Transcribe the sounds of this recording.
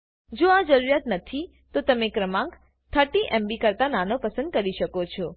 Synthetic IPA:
d͡ʒoad͡ʒəɾuɾjat̪nət̪ʰi | t̪ot̪əmekɾəmãk | t̪ʰəʈiʔɛmbikəɾt̪ananopəsənd̪̚kəɾiʃəkot͡ʃʰɔ

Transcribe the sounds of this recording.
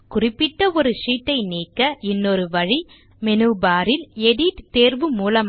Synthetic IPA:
kʊrɪpːɪʈːɐɔɾɯʂiːʈːɐɪniːkːɐʔɪnːɔɾɯʋɐɻi | mɛnuːbaːɾɪlɛɽiʈt̪eːɾʋɯmuːlɐm

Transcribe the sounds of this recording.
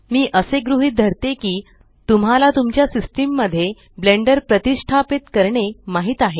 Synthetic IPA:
miːʔəseɡɾuɦiːt̪̚d̪ʱəɾt̪ekiː | t̪umɦalat̪umt͡ɕjasisʈimːəd̪ʱːje | bleɳɖəɾpɾət̪isʈʰapit̪kəɾɳemaɦiːt̪aɦe

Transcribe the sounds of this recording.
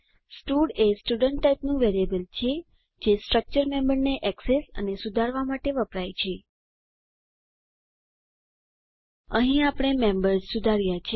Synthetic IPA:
sʈuɽesʈuɖəɳʈːajpnũʋeɾiebəlt͡ʃʰe | d͡ʒesʈɾək̚t͡ʃəɾmẽmbəɾneʔɛksesə̰nesud̪ʱaɾʋamaʈeʋəpɾajt͡ʃʰe | əɦĩapəɽ̃emembəɾzsud̪ʱaɾjat͡ʃʰe

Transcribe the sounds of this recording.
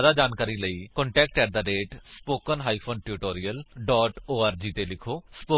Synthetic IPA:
d̪aːd͡ʒaːnkaːɾiːləiːkɔ̃ːɳʈɛːk̚ʈkɛːɾd̪aːɖeːʈspoːkənɦaːipʰoːnʈɪɾɪʈoːɾijəlɖɔːʈoːaːɾd͡ʒiːt̪eːlɪkʰoːspoː

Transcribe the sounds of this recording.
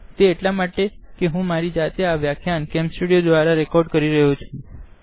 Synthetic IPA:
t̪eːʈlamaʈekeɦũmaɾid͡ʒat̪eaʋjakʰjankɛ̃msʈuɽijod̪ʋaɾaɾɛkɔɾɖkəɾiɾəɦut͡ʃʰũ

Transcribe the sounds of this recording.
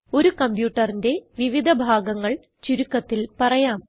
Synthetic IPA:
o̞ɾukɐmpjuːʈːɐrinde̞ʋiʋid̪ʱɐbʱaːɡɐŋːɐɭ | t͡ɕuɾukːɐt̪ːilpɐrɐjaːm

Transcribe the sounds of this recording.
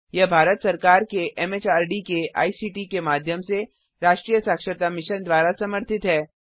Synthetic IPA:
jɐbʱaːɾət̪sɐɾkaːɾkeʔɛmeːt͡ʃaːɾɖikeʔa̰ːisiːʈikemaːd̪ʱjəmse | ɾaːʃʈɾiːjəsaːkʃəɾt̪amɪʃənd̪ʋaːɾasɐməɾt̪ʰɪt̪ɦɛː

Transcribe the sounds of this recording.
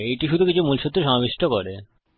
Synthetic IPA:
ejʈiʃud̪ʱukit͡ɕʰumulʃut̪ːɾeʃɔmabeʃʈokoɾe

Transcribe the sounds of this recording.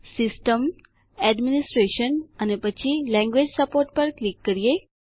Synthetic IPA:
sisʈəm | ɛɖminisʈɾeɕənənepət͡ɕʰilɛ̃ŋɡʋed͡ʑsəpoɾʈ̚pəɾklikːəɾije

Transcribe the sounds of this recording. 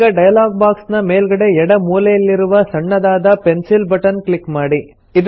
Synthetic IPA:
ɐɖɐjɐlaːɡ̚baːksnɐmeːlɡɐɽe̞ɛɽɐmuːlɛjɐlːiɾuʋɐsɐɳːɐd̪aːd̪ɐpensilbɐʈɐnkɭikmaːɽi | id̪

